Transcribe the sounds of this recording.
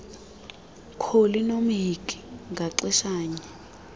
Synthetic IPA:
kʰolinom̩ɦikʼi̥ŋɡʱaǀɛʃaːɲɛ

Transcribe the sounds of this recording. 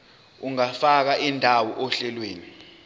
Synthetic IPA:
uŋafak̬aʔindʱawɔʔɔɬɛlweːni

